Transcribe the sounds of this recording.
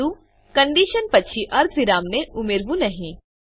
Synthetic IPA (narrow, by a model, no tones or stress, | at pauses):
u | kɐ̃ɳɖiːʃənpɐtːʃʰiʔɐɾt̪ʋɪɾaːmneʔʊmeːɾbũnɐɦĩː